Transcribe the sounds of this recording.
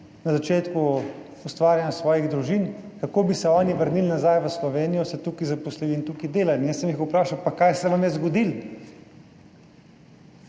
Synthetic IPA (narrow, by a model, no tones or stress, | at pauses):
nazat͡ʃeːt̪ku | ust̪ʋaːɾjanjasʋɔːjiɣd̪ɾuʒinkakoːbisɛɔːniʋəɾnilnazajʋəslɔʋeːnijɔsɛt̪ukizapɔsliʋint̪ukid̪eːlanjəsɛmjixupɾaːʃawpakajsɛʋamjɛzɡɔd̪il